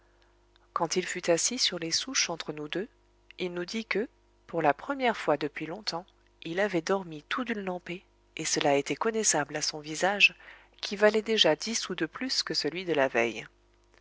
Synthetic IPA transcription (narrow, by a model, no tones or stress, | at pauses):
kɑ̃t̪ilfyt̪asisyʁlesuʃɑ̃t̪χənud̪ø | ilnud̪ikə | puʁlapχəmjɛʁfwad̪əpɥilɔ̃t̪ɑ̃ | ilavɛd̪ɔʁmit̪ʰud̪ylnɑ̃pe | esəlaet̪ɛkɔnɛsablasɔ̃vizaʒ | kʲʰivalɛd̪eʒad̪isud̪əplyskəsəlɥid̪əlavɛj